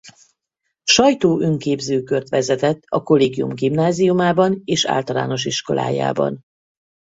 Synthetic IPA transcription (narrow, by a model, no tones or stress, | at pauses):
ʃɒjt̪oːʔøŋkeːbzøːkørt̪ʋɛzɛt̪ɛt̪ːɒko̞leːɡijṵmɡimnaːzijumaːbɒneːʃa̰ːlt̪ɒla̰ːno̞ʃ̬iʃko̞̰lʔa̰ːja̰ːbɒ̰n